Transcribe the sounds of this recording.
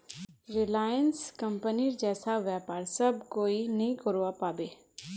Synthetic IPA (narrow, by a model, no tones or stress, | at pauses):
ɾɪlaːjənskə̃mpəniɾd͡ʒɛːsaʋjɛːpaːɾsɐbkoːinɐɦĩkəɾoapaːbeː